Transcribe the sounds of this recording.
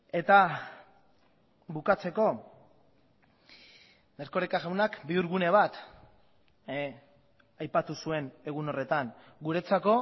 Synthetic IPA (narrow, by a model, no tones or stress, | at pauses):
e̞t̪a | βukat͡se̞ko̞ | neɾko̞ɾekaʝawnakbiuɾɣune̞β̞at̪ | ajpat̪usue̞ne̞ɣuno̞re̞t̪aŋ | ɡuɾe̞t͡sako̞